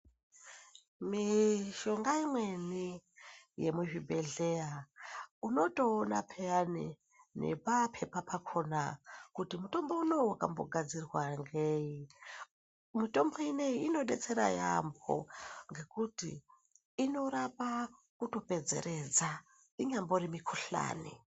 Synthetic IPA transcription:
miʃo̞ŋɡaimwe̞ni | je̞muʐibʱe̞ɮe̞ja | uno̞to̞ːna̰pʰejanḭ | ne̞̰papʰe̞papʰakʰo̞nakutimuto̞mbo̞uno̞wakambo̞̰ɡʱad͡zirwaŋɡeji | mito̞mboineiino̞ɗet͡se̞ɾa̰ja̰mbo̰ŋɡe̞kutḭ | ino̞ɾapakuto̞pe̞d͡ze̞̰ɾʔe̞d͡za | iɲamboɾimikʰuɬa̰ːni

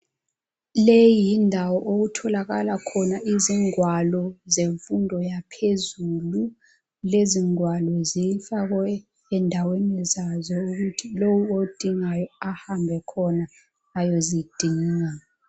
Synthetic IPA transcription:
lejindʱawɔʔok̬utʰɔlaɣ̬alakʰɔnaʔiziŋwalɔzeɱfundʱɔjapʰezulu | leziŋwalɔzifak̬wɛ | ɛndʱawenizazɔuk̬utʰilowuod̥ʱiŋajɔahambʱɛkʰɔnaː | jozid̥ʱiːŋa

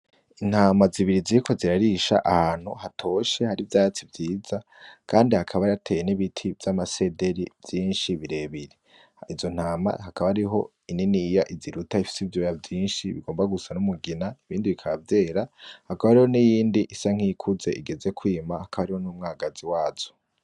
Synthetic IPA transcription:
in̥haːmaziβiɾiziɾikʰo̞ziɾaɾiʃa̰ʔahaːn̥huhatʰo̞ːʃe̞haɾivjaːat͡sivjiːzakʰaːndihakʰaβaɾijatʰe̞ːjeniβitʰivjamase̞de̞ɾivjiːnʃiβiɾe̞βiɾe | izo̞n̥aːma̰hakaβaɾiɦo̞ | ininijaʔiziɾutaifi̥sivjojavjiːnʃiβḭɡoːmbaɡusanumuɡinaiβiːndiβikʰaβavje̞ːɾahakaβaɾiho̞nijiːndiʔisaŋ̥ikʰuze̞̰ʔiɡe̞ze̞kʰwiːmahakaβaɾiho̞numŋaːɡaziwaːz̥o̥

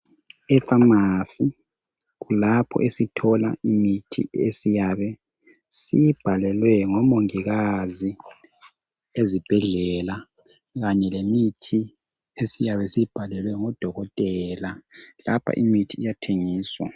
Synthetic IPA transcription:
ɛfamasi | ɣulapʰɔ̰ʔesitʰɔla̰imitʰḭesijaβɛ | sib̥ʱalɛlwɛŋɔmoŋiɣazi | ezib̥ʱɛɮɛla | ɣaɲɛlemitʰi | esijaβɛsiib̥ʱalɛlwɛŋɔd̥ʱɔɣɔtʼɛlalapʰa̰ʔimitʰiːjatʰeŋiːswa̰

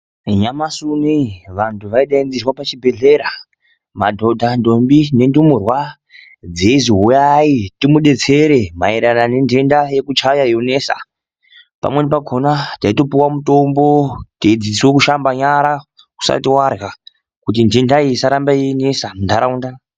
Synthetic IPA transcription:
ɲamasumiʋantʰuʋaiɗaind͡ziswapat͡ʃibʱe̞ɮe̞ɾa | madʱo̞dʱando̞mbine̞ndumurwa | d͡zeiziɦujaitimuɗe̞t͡se̞ɾe̞ma̰iɾanane̞nd͡ʒendaje̞kut͡ʃajaione̞sa̰ | pa̰mwe̞nipaɡʱonataito̞piwamuto̞mbo̞teid͡ziswokuʃambaɲaɾa | ku̥sa̰tiwarɣa | kutind͡ʒendaeisaɾambaiine̞samundaɾaunda

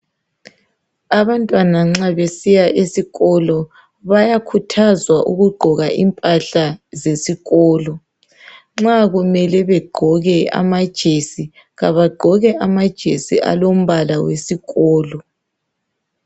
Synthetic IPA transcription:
aβantʼwanaŋ͡ǁaβesijaʔesiɣɔlɔ | βajakʰutʰazwaʔuɣuɡ͡ǃʱɔɣaʔimpʼaɬazesiɣɔːlɔ | ŋ͡ǁaɣumɛlɛβɛɡ͡ǃʱɔɣɛa̰mad̥ʒ̥ʱesi | ɣaβaɡ͡ǃʱɔɣɛʔamad̥ʒ̥ʱesiʔa̰lom̩βalawesiɣɔːlɔ

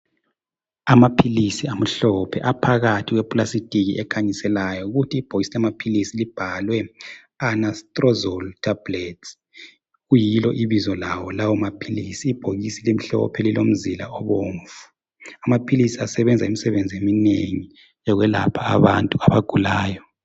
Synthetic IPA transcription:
amapʰilisiam̩ɬɔpʰɛ̰ʔapʰaɣatʰiɣwepʼulasitʼiɣḭʔɛkʰaɲisɛlajɔuɣutʰiːb̥ʱoɣisilamapʰilisilib̥ʱalwɛ | anastʼrɔzɔltʰab̥lɛt | ɣujilɔʔiβizɔlawɔlawɔmapʰilisiːb̥ʱoɣisilim̩ɬɔ̰pʰɛlilo̰m̩zila̰ɔβoːɱvu̥ | amapʰilisiasɛβɛnd͡zʱaimisɛβend͡zʱiemineŋi | d͡ʒɛɣwɛla̰pʰaːβantʼuaβaɡ̥ʱulaːjɔ

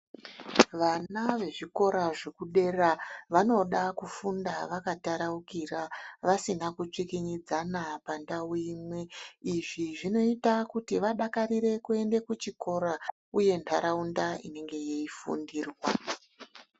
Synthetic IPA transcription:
ʋanaʋe̞ʐiko̞ɾaʐe̞kuɗe̞raʋano̞ɗakufundaʋakataɾaukiraʋasinakut͡ʂikiɲid͡zanapandawimwe̞iʐiʐino̞itakutiʋaɗakaɾiɾe̞kue̞nde̞kut͡ʃiko̞ɾa | uje̞ntʰaɾaundaḭne̞ŋɡe̞jeifṵndiːrwa

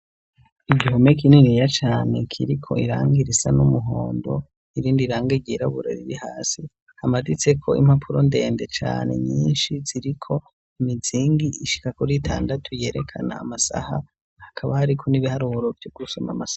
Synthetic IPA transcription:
iɡihomekininijat͡ʃaːne̞kʰiɾikʰo̞̰iɾa̰ːŋɡiɾisanumuɦo̞ːndo̞ | iɾiːndiɾaːŋɡeɟiɾaβuɾaɾḭɾihaːsi | hamadit͡se̞kʰo̞im̥hapʰuɾonde̞ːnde̞t͡ʃa̰ːne̞̰ɲiːnʃiziɾikʰo̞ | imiziːŋɡiiʃi̥kakuɾitʰa̰ːndatʰuje̞ːɾe̞kʰana̰ːmasa̰ha | hakʰaβahaɾikʰoniβihaɾuɾo̞vjoɡ̥uso̞ma̰masḁ

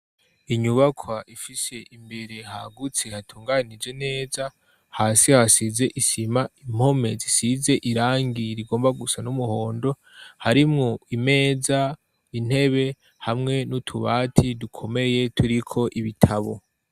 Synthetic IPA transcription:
iɲuβakʰwaʔifise̞ʔimbe̞ɾe̞ɦaɡut͡sehatʰuːŋɡanid͡ʒene̞ːza | haːsihasize̞ʔisimaim̥ho̞me̞zisize̞ʔiɾaːŋɡiɾiɡo̞ːmbaɡusanumuɦo̞ːndo̞ | haɾimŋoime̞ːza | in̥he̞βe̞ | hamŋe̞nutʰuβaːtʰidukʰo̞me̞je̞tʰuɾikʰo̞ʔiβitʰaβo̞̰

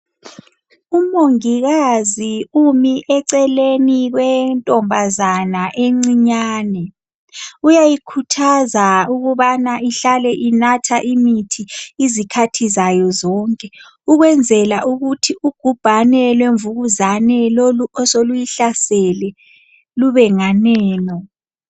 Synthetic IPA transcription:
umoŋiɣaziumiʔɛǀɛleniɣwɛntʼɔmbʱazanaʔeŋ͡ǀiɲaːnɛ | ujajikʰutʰazauɣuβanaʔiɬalɛʔinatʰaʔimitʰiizikʰatʰizajɔzɔŋkʼɛ | uɣwɛnd͡zʱɛlaʔuɣutʰiʔuɡ̥ʱub̥ʱanɛlweɱvuɣuzanɛloluɔsolujiɬasɛlɛ | luβɛŋanɛːnɔ

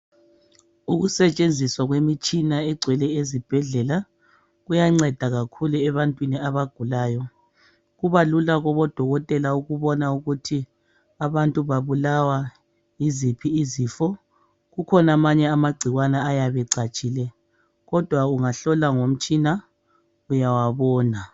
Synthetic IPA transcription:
uɣusɛt͡ʃʼend͡zʱiswaɣwemit͡ʃʼinaɛɡ͡ǀʱwɛlɛezib̥ʱɛɮɛla | ɣujaŋ͡ǀɛd̥ʱaɣakʰuluɛβantʼwiniaβaɡ̥ʱulaːjɔ | ɣuβalulaɣɔβɔd̥ʱɔɣɔtʼɛlauɣuβɔnauɣutʰi | aβantʼuβaβulawa | izipʰiːzifɔ | ɣukʰɔnamaɲɛamaɡ͡ǀʱiɣwanɛajaβɛǀat͡ʃʼiːlɛ | ɣɔd̥ʱwauŋaɬɔlaŋom̩t͡ʃʼina | ujawaβɔːna

